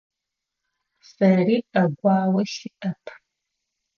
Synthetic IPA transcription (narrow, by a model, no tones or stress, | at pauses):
sɐriɐɡʷaːwɐʃiʔɐpʰ